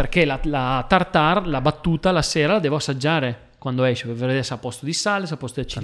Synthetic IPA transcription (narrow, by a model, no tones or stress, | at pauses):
perk̟elalat̪art̪arlabat̪ːuːt̪alasɛːɾalad̪ɛːvoasːad͡ʒːaːɾe | kwand̪oɛʃipeveɾed̪esapːɔst̪od̪isaːlesapːɔst̪od̪iat͡ʃːi